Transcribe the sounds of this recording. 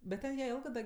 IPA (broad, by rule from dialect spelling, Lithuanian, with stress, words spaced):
bʲɛt ˈtʲɛn jiɛ ˈeːlˠɡɜ dɐ